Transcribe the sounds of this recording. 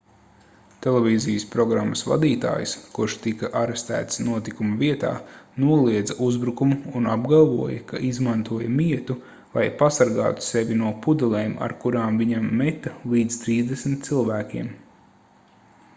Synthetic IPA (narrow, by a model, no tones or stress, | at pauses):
t̪ɛlɛvʲiːzijəspɾɔɡɾamːəsva̰d̪iːt̪a̰ːjskuɾʃt̪ikɐʔaɾest̪æ̰ːt̪snuɔt̪ikumɐviɛt̪a̰ːnuɔlˠiɛd̪zɐʔuzbɾukumuːnabɡalˠvuɔjɐkaʔizmãnt̪uɔjɐmiɛt̪u | va̰jpasaɾɡa̰ːt̪u̥seʋʲinuɔpud̪ɛlˠɛːma̰ɾkuɾaːmviɲamːɛt̪ɐlˠiːd̪z̥t̪ɾiːzd̪esmʲt̪̚t̪silˠvæːkʲiɛm